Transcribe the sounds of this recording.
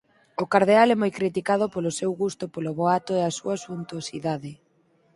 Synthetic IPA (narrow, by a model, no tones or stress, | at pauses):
ʊkaɾð̞ealɛmojkɾit̪ikaðʊpolʊsewɣust̪ʊpolʊβoat̪ʊeasuɐsunt̪uosiðaðɪ